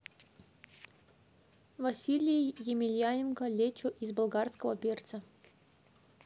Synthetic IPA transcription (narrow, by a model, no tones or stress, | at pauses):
vɐsʲilʲɪjjɪmʲɪlʲjanʲɪnkəlʲet͡ɕʊʔizbɐlˠɡarskəvəpʲert̪sə